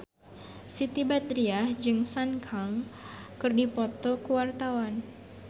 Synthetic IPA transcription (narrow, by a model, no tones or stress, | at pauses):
sit̪ibat̪ɾiahd͡ʒɨŋsankʰaŋkɨrdipɔt̪ɔkəwart̪awan